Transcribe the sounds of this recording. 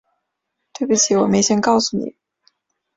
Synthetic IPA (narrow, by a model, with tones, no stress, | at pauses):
t̪we˥˩ɪbu˥˩t͡ɕʰi˧˥wɔ˨˩me˧˥ɪɕjɛ˥nkɑ˥˩ʊsu˥˩nḭ˨˩˦